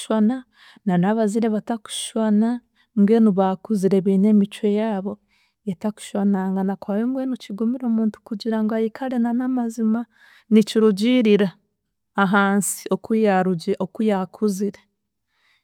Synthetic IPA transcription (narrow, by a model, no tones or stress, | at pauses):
ʃwana | nanaβaziɾe̞βataku̥ʃwana | ŋɡwe̞nuβakuziɾe̞βiːne̞ːmit͡ʃwe̞jaːβo̞ | etaku̥ʃwanaŋɡanakwaːβeŋɡwenuciɡumiɾo̞ːmuːntu̥kuɟiɾaŋɡoajikʰaɾe̞nanamazima | niciɾuɟiɾiɾaː | ɦaːnsi̥o̞kujaɾuɟeokujakʰuziɾe